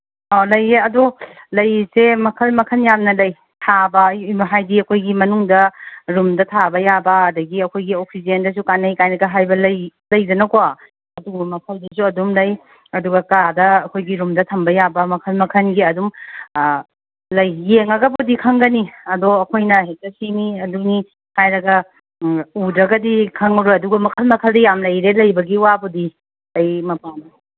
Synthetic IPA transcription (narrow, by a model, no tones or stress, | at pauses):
ɔlɐjeɐdulɐjsemɐkʰɐlmɐkʰɐnjamnɐlɐj | tʰabɐɦajdiɐkʰojɡimɐnuŋdɐɾumdɐtʰabɐjabɐːdɐɡiɐkʰojɡiok̚sid͡ʒendɐs̬ukanɐjkajnɐkɐɦajbɐlɐjlɐjdɐnɐkowa | ɐduɐmɐkʰɐldɐs̬uɐdumlɐj | ɐduɡɐkadɐːkʰojɡiɾumdɐtʰɐmbɐjabɐmɐkʰɐlmɐkʰɐnɡiɐdum | lɐjːeŋɐɡɐbudikʰɐŋɡɐniɐdoɐkʰojnɐhek̚tɐsiniɐduni | hajɾɐɡɐ | udɾɐɡɐdikʰɐŋɾuɐduɡɐmɐkʰɐlmɐkʰɐldɐjamlɐjɾelɐjbɐɡiwabudi | lɐjmɐpan